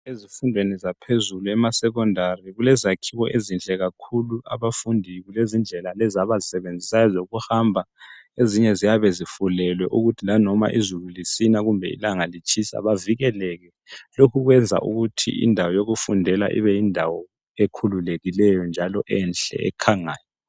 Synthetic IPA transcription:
ezifundʱwenizapʰezuluɛmasɛɣ̬ɔndʱariɣulɛzakʰiwɔʔezint͡ɬʼɛɣakʰuluaβafundʱiɣulezind͡ɮʱɛlalɛzaβazisɛβend͡zʱisazoɣuhambʱaeziɲɛzijaβɛzifulɛlwɛʔuɣutʰilanɔma̰ʔizululisinaɣumbʱɛḭlaŋalit͡ʃʰʼisa̰βaviɣɛlɛɣɛ | lokʰuɣwɛnd͡zʱa̰ʔṵɣutʰḭḭndʱawɔjoɣufundʱɛla̰ʔḭβɛjindʱawɔ | ekʰululeɣilɛjɔnd͡ʒʱalɔʔɛnɬɛ̰ɛ̰kʰaŋaːjɔ

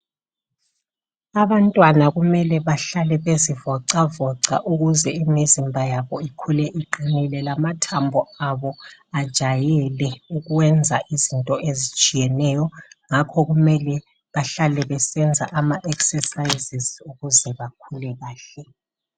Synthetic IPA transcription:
aβantʼwanaɣumɛlɛβaɬalɛβezivɔǀavɔǀa̰ʔuɣuzɛimizimbʱajaβɔikʰulɛʔiǃinilɛlamatʰambʱɔaβɔad̥ʒ̥ʱajɛlɛuɣuwɛnd͡zʱaʔizintʼɔʔezit͡ʃʼijɛnɛjɔŋakʰɔɣumɛlɛ | βaɬalɛβɛsɛnd͡zʱaʔamaʔɛksɛsajizizuɣuzɛβakʰulɛɣaːɬɛ

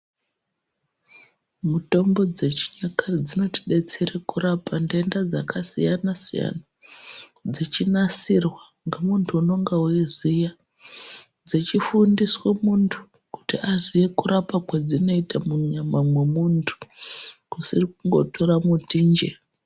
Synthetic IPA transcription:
muto̞mbo̞d͡ze̞t͡ʃi̥ɲakarid͡zino̞ti̥ɗe̞t͡seɾekurapʰandendad͡zakasḭjanasija̰na | d͡zit͡ʃinasirwa | ŋɡamuntʰuːno̞ŋɡawezija | d͡zit͡ʃifundiswemuntʰu̥ | ku̥tiaʐijekuɾapakwad͡zino̞itamuɲamamwe̞muntʰu̥kusirikuŋɡo̞tʰoɾamutind͡ʒe

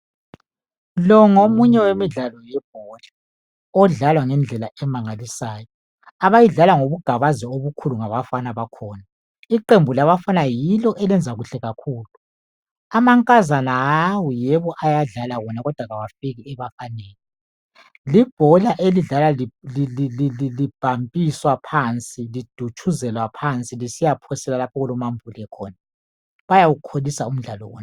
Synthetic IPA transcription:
lɔŋomuɲɛwemiɮalɔjɛb̥̚ʱɔɮa | ɔɮalwaŋɛnd͡ɮʱɛlaɛmaŋalisaːjɔ | aβajiɮalaŋoβuɡ̥ʱaβazɛoβukʰuluŋaβafanaβakʰɔːna | iǃembʱulaβafanajilɔʔɛlɛnd͡zʱaɣuɬɛɣakʰuːlu | amaŋkʼazanaawujɛβɔʔajaɮalawɔnaɣɔd̥ʱwaɣawafiɣiɛβafaneːni | lib̥ʱɔlaʔeliɮalalilililililib̥ʱampʼiswapʰant͡sʼilid̥ʱut͡ʃʼʰuzɛlwapʰant͡sʼilisijapʰɔsɛlalapʰɔɣulɔmambʱulɛkʰɔ̰ːna | βajawukʰolisaum̩ɮalɔ̰wɔ̰ːna

